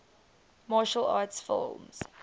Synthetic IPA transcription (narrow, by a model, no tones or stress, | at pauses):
mɑːʃəla̰ːtsfɪ̰lˠmz̥